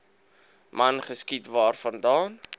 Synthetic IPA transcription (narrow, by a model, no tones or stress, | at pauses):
mɐnχəskitvɑːrfɐndɑːn